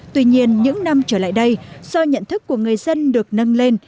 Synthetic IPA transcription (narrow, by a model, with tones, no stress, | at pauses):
t̪wi˧ɲi˧ənɲɨ̰˧˥ŋna˧mt͡ɕəː˧˩la̰ː˧˨jɗə˧jsa˧wɲə̰˧˨nt̪ʰɨ˦˥kːu˧˩əŋɨ˨˩əjzə˧nɗɨ˨˩ək̚nə˧nle˧n